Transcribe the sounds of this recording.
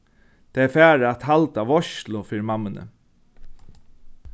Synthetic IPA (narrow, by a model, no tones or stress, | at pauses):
t̪ʰeːɛfæːɾat̪halt̪aʋɔʃlʊfiːɻɪmamːənə̰